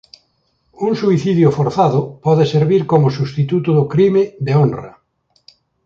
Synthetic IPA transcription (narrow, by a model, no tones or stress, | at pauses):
uŋsuiθiðjofoɾθaðʊpɔðeseɾβiɾkomʊsust̪it̪ut̪ʊðʊkɾimeðeonra̰